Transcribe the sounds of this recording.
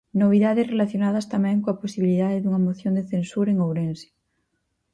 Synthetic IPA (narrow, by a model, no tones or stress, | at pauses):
noβ̞iðaðezrelaθjonað̞ast̪amẽŋkoaposiβiliðaðeðuŋamoθjond̪eθẽnsuɾaeŋowɾense̥